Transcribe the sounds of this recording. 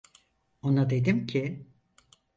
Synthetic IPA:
o̞nad̪e̞d̪imcʰɪ

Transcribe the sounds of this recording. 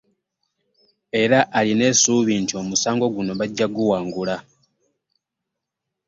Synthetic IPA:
e̞ɾaʔaline̞suːβiːntio̞musaːŋɡo̞ɡuno̞βaɟːaɡuwaːŋɡula

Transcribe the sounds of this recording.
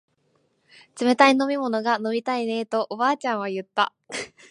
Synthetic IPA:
t͡sɨme̞t̪aino̞mʲimo̞no̞ɡano̞bʲit̪aine̞t̪o̞ʔobaːt͡ɕãɰ̃β̞ajɯ̟t̪ːa̰

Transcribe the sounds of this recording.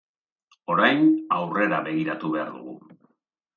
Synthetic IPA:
o̞ɾajnawre̞ɾaβe̞ɣiɾat̪uβe̞a̰ɾðṵɣ̞ṵ

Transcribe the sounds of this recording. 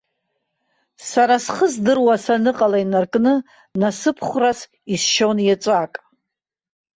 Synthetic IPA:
saɾasχəzdɨrwasanɨqʼalainarkʼnɨ | nasɨpʰχʷras | isʃonjat͡sʷʼakʼ

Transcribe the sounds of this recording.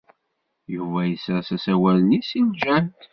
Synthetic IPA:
juvæjəsæsæsæwælənisild͡ʒænt̪

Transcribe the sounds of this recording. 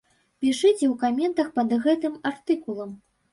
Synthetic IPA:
pʲiʂɨt͡sʲɛwkamʲɛnt̪ɐxpɐd̪ɣɛt̪ɨmart̪ɨkulˠɐm

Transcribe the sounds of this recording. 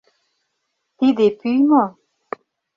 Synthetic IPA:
t̪id̪epyjmɔ̃

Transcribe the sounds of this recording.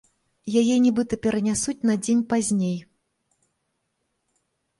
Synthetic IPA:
jajɛnʲibɨt̪ɐpʲɛɾɐnʲasut͡sʲnɐd͡zʲenʲpazʲnʲej

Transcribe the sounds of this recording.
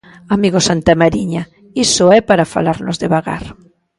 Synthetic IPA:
amiɣosant̪amaɾiɲa | isoɛpaɾafa̰laɾno̰zðeβaɣa̰ɾ

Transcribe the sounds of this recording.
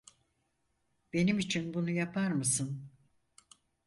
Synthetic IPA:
b̥e̞nimit͡ʃʰinbunujapʰaɾmɯsɯn

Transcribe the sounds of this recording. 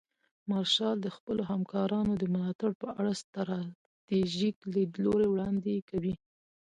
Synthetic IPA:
mɑɾʃɑld̪əxpəloɦamkɑɾɑnod̪əmʊlɑt̪aɽpəʔaɽast̪ɾɑ | t̪eʒikled̪loɾewɽɑnd̪ekawi

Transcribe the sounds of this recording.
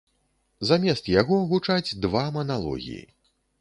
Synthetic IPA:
zamʲɛst̪jaɣɔɣut͡ʂad͡zʲd̪vamɐnalˠɔ̰ɣʲḭjḭ

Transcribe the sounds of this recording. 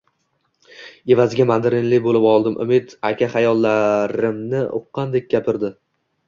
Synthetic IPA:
e̞vazɪɡʲamand̪ɪɾɪnlɪbolɪpɒlˠd̪ɪmʔʊ̰mɪt̪akʲʰaχajɒlˠːaɾɪmnɪʊ̰qːɑnd̪ek̚ʲɡʲapʰɪɾd̪ɪ

